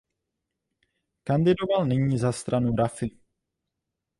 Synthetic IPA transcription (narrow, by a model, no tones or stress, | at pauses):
kandɪdo̞valnɛɲiːzast̪ɾanuɾafɪ